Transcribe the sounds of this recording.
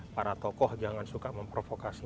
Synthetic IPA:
paɾat̪ɔkɔhd͡ʒaŋansukaməmpɾofokasi

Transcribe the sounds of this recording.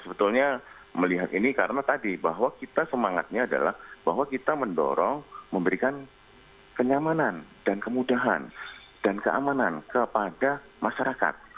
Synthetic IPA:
səbət̪ulɲa | məliɦat̪inikaɾənat̪adibaɦwakit̪asəmaŋa̰t̪̚ɲaːda̰lahbaɦwakit̪aməndɔ̰ɾɔŋməmbəɾikan | kəɲamanandankəmudaɦa̰n | d̥ankəʔa̰manankəpada | maʃaɾaka̰t̪̚

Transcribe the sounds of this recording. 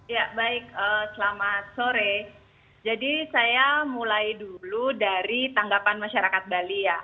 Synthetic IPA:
jabaɪk̚əsəlamat̪̚soɾe | d͡ʒadisajamulajduludaɾit̪aŋɡapanmaʃaɾakat̪̚balija

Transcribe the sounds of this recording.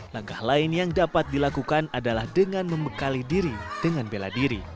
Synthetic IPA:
laŋkahlaɪnjaŋdapat̪̚dilakukanadalahdəŋanməmbəkalidiɾid̥əŋanbela̰diɾḭ

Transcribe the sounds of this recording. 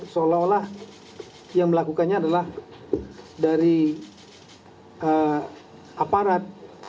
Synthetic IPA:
səolaolah | jaŋməlakukanɲaːdalah | daɾi | ə | apaɾat̪̚

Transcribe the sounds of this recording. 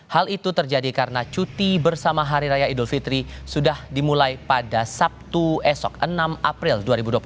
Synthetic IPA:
halit̪ut̪ərd͡ʒadikaɾənat͡ʃut̪ibərsamaɦaɾiɾajaidʊlfit̪ɾisudahdimulajpadasap̚t̪uɛsɔkənamapɾilduaɾibuduap

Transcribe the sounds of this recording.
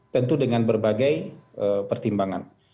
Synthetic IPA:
t̪ənt̪udəŋanbərbaɡajʔəpərt̪imbaŋa̰n

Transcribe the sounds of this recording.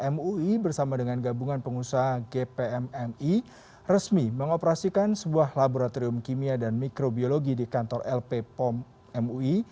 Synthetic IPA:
ɛmuibərsamadəŋanɡabuŋanpəŋusaɦaɡepeɛmɛmi | rəsmiməŋopəɾasikansəbuahlaboɾat̪oɾiʊmkimiadanmikɾobioloɡidikant̪ɔrʔɛlpepɔm | ɛmui

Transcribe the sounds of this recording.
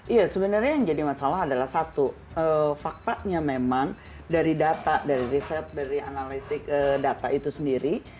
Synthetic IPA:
ʔijasəbənərɲajŋd͡ʒadimasalaɦadalahsat̪u | əfak̚t̪aʔɲamemaŋ | daɾidat̪adaɾiɾisɛp̪̚daɾianalit̪ɪk̚ədat̪aʔit̪usəndiɾi

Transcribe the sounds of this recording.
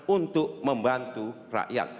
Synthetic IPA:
unt̪ʊʔməmbant̪u | ra̰ʔja̰t̪̚

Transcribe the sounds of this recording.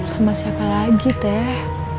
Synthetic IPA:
samasiapalaɡit̪ɛh

